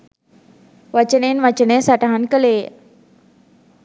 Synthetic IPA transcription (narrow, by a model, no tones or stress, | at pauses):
ʋat͡ɕənenʋat͡ɕənesaʈaɦankəle